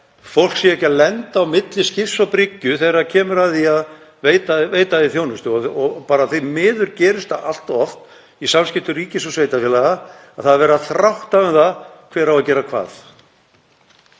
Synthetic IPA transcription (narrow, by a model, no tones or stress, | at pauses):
fowl̥ksjɛhcalɛnt̪awmɪt̪lɪscɪfsapɾɪcːʏθejɾacʰɛːmʏɾaðiað | veːjt̪aveːjt̪aɪθjownʏst̪ɪɔɔpaːɾaθejmɪːðʏɾcɛːɾɪst̪aʔa̰l̥t̪ɔɔft̪ | isamscɪft̪ʏriːcɪsɔsveːjt̪afjɛlaɣa | aðθaðavɛːɾaθɾawht̪aʏnθakʰv̥ɛːɾawacɛːɾakʰva̰ːθ